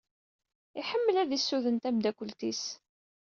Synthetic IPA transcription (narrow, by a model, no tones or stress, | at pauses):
iħəmːəlæðisːuðənt̪æmd̪ækʷːəlt̪is